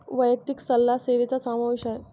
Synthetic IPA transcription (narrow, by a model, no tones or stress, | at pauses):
ʋəjək̚t̪iksəlːaseɾet͡sasamaʋiɕae